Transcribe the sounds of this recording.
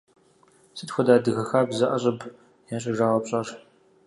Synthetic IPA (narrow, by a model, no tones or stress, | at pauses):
sɨtxʷɔdaːdɨɣɐxaːbzɐʔɐɕʼɐb | jaːɕʼɐʒaːʁɐpɕʼaːr